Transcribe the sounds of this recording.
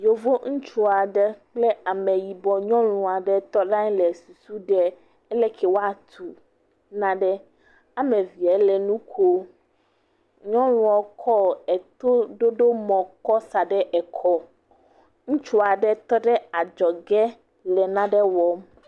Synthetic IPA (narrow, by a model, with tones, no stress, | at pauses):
jo˨vo˦ŋũ˦t͡ʃu˦a˨ɖɛ˦k͡plɛ˦a˨mɛ̃˨ji˨bɔ˨ɲɔ̃˦lũ˨a˨ɖɛ˦t̪ɔ˦ɖã˦ɲ˦lɛ˨su˨su˦ɖɛ˦ | ɛ˦lɛ˦kʰɛ˨wo˦a˦t̪ʰu˨ | nã˦ɖɛ˦ | a˨mẽ˨vi˨ɛ˨˦lɛ˨nũ˦kʰo˦ | ɲɔ̃˦lũ˦˨ɔ˨kʰɔ˦ɛ˨t̪o˦ɖo˦ɖo˦mɔ̃˨kɔ˦sa˨ɖɛ˦ʔɛ˨kʰɔ˦ | ŋũ˦t͡ʃu˦a˨ɖɛ˦t̪ɔ˦ɖɛ˦a˨d͡ʒɔ˨ɡɛ˦ | lɛ˨nã˦ɖɛ˦wɔ˨m